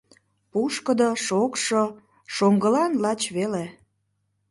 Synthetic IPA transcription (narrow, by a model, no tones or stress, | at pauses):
puʃkəd̪oʃokʃo | ʃoŋɡəlɑnlɑt͡ɕβele